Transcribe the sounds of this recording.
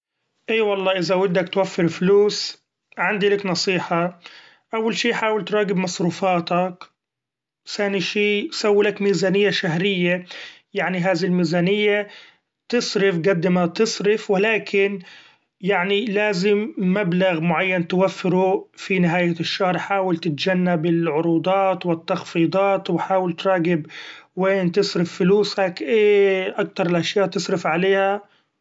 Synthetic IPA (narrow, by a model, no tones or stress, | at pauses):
ʔiːwɑlˤːɑːʔɪðawɪd̪ːakt̪wafːɪɾfluːs | ʕɪnd̪ilɪknɑsˤiːħɑ | ʔawːalʃiːħaːwɪlt̪ɾˤɑːɡɪbmɑsˤɾuːfɑːt̪ɑk | saːniʃiːsawːlakmiːzaːnɪjːaʃaɦɾɪjːajaʕniɦaːðiilmiːzaːnɪjːa | t̪ɪsˤɾɪfɡad̪ːɪmat̪ɨsˤɾɪfwɪlaːkʰɪn | jaʕnilaːzɪmːablaɣmʊʕajːant̪ɪwafːɪɾufinɪɦaːjaʃːahɾˤħaːwɪlt̪ɪt̪d͡ʒanːabɪlʕʊɾuːd̪ˤɑːt̪wɪt̪ːɑxfiːd̪ˤɑːt̪wɪħaːwɪlt̪ɾˤɑːɡɪbweːnt̪ɪsˤɾɪfːʊluːsakʔeːʔakt̪ɑɾˤɪlʔaʃjaːʔt̪ɨsˤɾɪfʕaleːha